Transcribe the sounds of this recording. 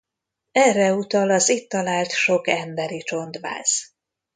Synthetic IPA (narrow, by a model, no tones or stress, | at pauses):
ɛrːɛut̪ɒlɒzit̪ːɒlaːlt̪ʃo̞kɛmbɛɾit͡ʃo̞nd̪ʋa̰ːz̥